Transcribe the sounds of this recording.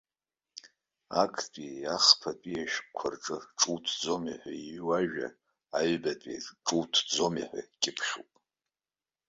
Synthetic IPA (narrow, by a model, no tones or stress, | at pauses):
a̰kʰpʼijaχpʰapʼiaʃkʷʰarʈ͡ʂʼɨʈ͡ʂʼuwtʰd͡zo̞miħʷᶣaijywaʒᶣa̰ː | ɥbatʼḭʈ͡ʂʼuwtʰd͡zo̞mḭħʷᶣa̰kʲʼɪpʰʃupʼ